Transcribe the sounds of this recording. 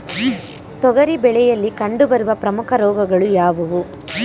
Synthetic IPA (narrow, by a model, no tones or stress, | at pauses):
t̪ɔɡɐɾibɛɭɛjɐlːikɐɳɖubɐɾuʋɐpɾɐmukʰɐɾɔːɡɐɡɐɭujaːʋuʋu